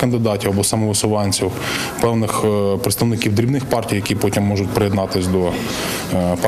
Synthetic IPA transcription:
kɐnd̪ɪd̪ɑtʲiwɐbɔsɐmɔʋɪsʊʋɑnʲt͡sʲiw | pɛwnɪxpɾɪt̪st̪ɐʋnɪkʲiwd̪ɾʲibnɪxpɑrtʲijɐkʲipɔtʲimːɔʒʊtʲpɾejɛd̪nɑt̪ɪsʲd̪ɔ | p

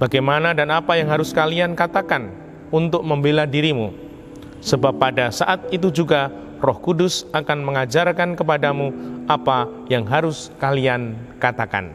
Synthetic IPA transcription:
b̥aɡajmanadanapajaŋɦaɾʊskaliankat̪akan | unt̪ʊk̚məmbeladiɾimu | səbapːadasaʔat̪̚it̪ud͡ʒuɡa | rɔhkudʊsakanməŋad͡ʒarkankəp̬adamuʔapajaŋɦaɾʊskaliankat̪aka̰n

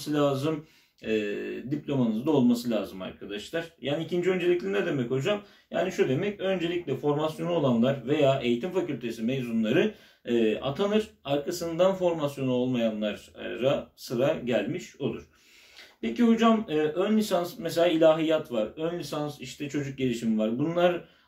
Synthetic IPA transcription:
sɯlʲaːzɯm | ɛːd̪ipʲlʲo̞manɯzd̪ao̞lˠmasɯlʲaːzɯma̰ɾkʰad̪aʃlˠaɾ̥jaːnicʰind͡ʒiø̞nd͡ʒe̞lʲiclʲinɛd̪e̞mɛco̞d͡ʒam | ja̰ːniʃud̪e̞mɛcø̞nd͡ʒe̞lʲiclʲɛfo̞ɾmasjo̞nuo̞lˠanlˠaɾve̞jaːe̞jit̪ʰimfacylʲt̪ʰe̞simejzunlˠaɾɯː | a̰t̪ʰanɯɾ̥aɾkʰasɯnd̪anfo̞ɾmasjo̞nuo̞lˠmajanlˠaɾːasɯɾaɟælʲmiʃo̞lˠuɾ̥ | pe̞ciɦod͡ʒamɯːʔønlʲisansmɛs̬e̞lʲaːilʲaːɦijat̪vaɾønlʲisansiʃt̪ʰɛt͡ʃʰo̞d͡ʒuk̚ɟelʲiʃimivaɾbunlˠaɾ

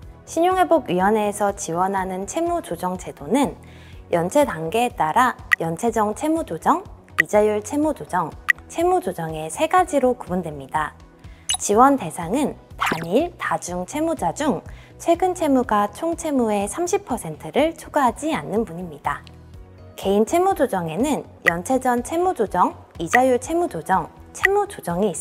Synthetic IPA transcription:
ɕʰiɲoŋɦe̞boɡɥiwʌne̞ːsʰʌt͡ɕiwʌnɦanɯnt͡ɕʰe̞mud͡ʑod͡ʑʌŋt͡ɕʰe̞donɯn | jʔʌnt͡ɕʰe̞taŋɡe̞ːt͈aɾajʌnt͡ɕʰe̞d͡ʑʌŋt͡ɕʰe̞mud͡ʑod͡ʑʌŋ | id͡ʑajuɭt͡ɕʰe̞mud͡ʑod͡ʑʌŋt͡ɕʰe̞mud͡ʑod͡ʑʌŋe̞sʰe̞ɡad͡ʑiɾokubundwe̞mɲida | t͡ɕiwʌnte̞sʰaŋɯntaɲiɭtad͡ʑuŋt͡ɕʰe̞mud͡ʑad͡ʑuŋ | t͡ɕʰwe̞ɡɯnt͡ɕʰe̞muɡat͡ɕʰoŋt͡ɕʰe̞mue̞sʰamɕʰipʰʌsʰe̞ntʰɯɾɯɭt͡ɕʰoɡaɦad͡ʑianːɯnpuɲimɲid̥a | ke̞int͡ɕʰe̞mud͡ʑod͡ʑʌŋe̞nɯn | jʌnt͡ɕʰe̞d͡ʑʌnt͡ɕʰe̞mud͡ʑod͡ʑʌŋ | id͡ʑajuɭt͡ɕʰe̞mud͡ʑod͡ʑʌŋt͡ɕʰe̞mud͡ʑod͡ʑʌŋiːs͈

